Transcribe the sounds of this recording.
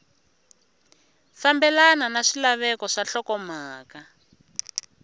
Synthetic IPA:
fambɛlananaʂilaβɛkɔʂaɬɔkɔmaːka

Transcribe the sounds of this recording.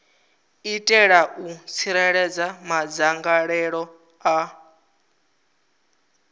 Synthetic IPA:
itʼɛɺaʔut͡sʰiɾɛɺɛd͡zamad͡zaŋɡaɺɛɺɔ | a

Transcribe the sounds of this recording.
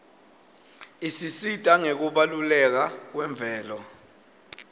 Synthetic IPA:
isisid̥ʼʱaŋek̬uɓalulɛk̬ak̬wɛɱb̪vʱɛːlɔ

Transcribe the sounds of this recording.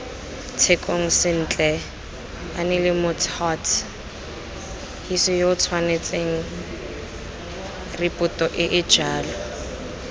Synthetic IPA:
t͡sʰekʼoŋ̩sɪn̩ːt͡ɬʼɛ | anɪlɪmʊtʰhɔtʰ | hisɪjoʊt͡sʰwanet͡sʼeŋ̩ | rɪpʼʊtʼɔʔɪʔɪ̥d͡ʒaːlɔ

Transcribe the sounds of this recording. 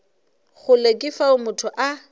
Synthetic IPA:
ɣʊlekʼɪfaʊmʊtʰʊʔa

